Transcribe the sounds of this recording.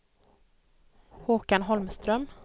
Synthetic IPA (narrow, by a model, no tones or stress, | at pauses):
huːkanɦɔlmst̪ɾœm